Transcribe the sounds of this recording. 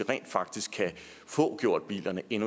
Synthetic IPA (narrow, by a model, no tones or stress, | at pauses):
ʁɛ̰ːnd̥fɑ̈ɡ̥̚d̥isɡ̥kʰːæ | fɔ̰̽ːɡ̥jo̝ɐ̰d̥̚b̥ḭːlɐnəʔe̝nu